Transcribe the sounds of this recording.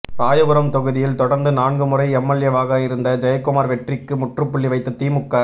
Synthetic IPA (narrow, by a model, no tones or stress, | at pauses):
ɾaːjɐɣɯɾɐmt̪ɔɣɯðɪjɪlt̪ɔɽɐɾnd̪ɯnaːɳɡɯmɯrɐɪɛmːɐɭjɐʋaːɣɐjɪɾɯnd̪ɐd͡ʒɐjɐkːɯmaːɾʋɛʈrɪkːɯmʊʈrɯpːʊɭːiʋɐɪt̪ːɐt̪iːmɯkːɐ